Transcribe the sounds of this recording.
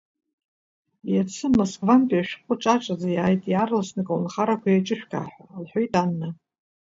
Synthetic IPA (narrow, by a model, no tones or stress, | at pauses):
jat͡sʰɨmoskʼvantʼiaʃᶣχʷʼʊʈ͡ʂʼaʈ͡ʂʼazajaːjtʼjarlasnɨkʼownχaɾakʷajat͡ʃʼɨʃᶣkʰʼa̰ːħᶣʷalħʷᶣojtʼanːa